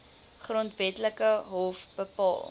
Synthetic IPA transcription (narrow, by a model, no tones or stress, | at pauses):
χrɔntvɛtləkəɦɔfb̥əpɑ̰ːlˠ